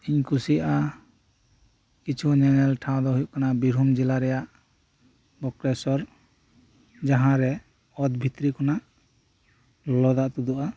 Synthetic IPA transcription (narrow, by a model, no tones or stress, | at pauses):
iɲkʰusiʔa | kit͡ʃʰuɲɛnɛlʈʰãw̃d̪ɔɦujuʔkanabiɾʱumd͡ʒɛlaɾɛjaʔ | bɔkɾɛsɔɾ | d͡ʒaɦãɾɛ | ɔd̪bʱit̪ɾikɔnaʔ | lɔlɔd̪aʔt̪ud̪uʔa